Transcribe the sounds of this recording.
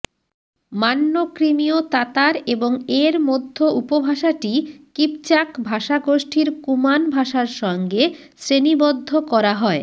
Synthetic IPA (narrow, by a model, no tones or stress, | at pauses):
manːokɾimiot̪at̪aɾeboŋeɾmod̪ʱːoupobʱaʃaʈikip̚t͡ɕakbʱaʃaɡoʃʈʰiɾkumanbʱaʃaɾʃɔŋɡe | sɾenibod̪ʱːokɔɾaɦɔe